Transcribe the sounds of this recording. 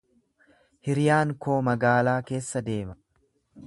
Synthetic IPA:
hɪɾjaːŋko̞ːmɐɡaːlaːke̞ːsːɐd̪e̞ːmɐ

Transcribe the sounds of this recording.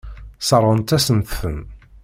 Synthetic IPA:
səɾˤənt̪æsənt̪θən

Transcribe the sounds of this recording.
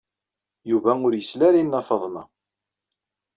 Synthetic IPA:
juvæʊɾjəslæɾinːɑfəðˤnɑ̰

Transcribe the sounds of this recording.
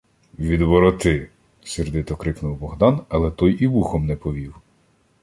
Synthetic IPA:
ʋʲid̪ʋɔɾɔt̪ɪ | sʲerd̪ɪt̪ɔkɾɪknuwbɔɦd̪ɑnɐlˠɛt̪ɔjʔiʋuxɔmnɛpɔʋʲiw

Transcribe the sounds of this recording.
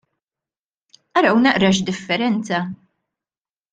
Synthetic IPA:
ʔɐɾɐwnɐʔɾɐʃd̪ɪfːɛɾɛnt͡sɐ

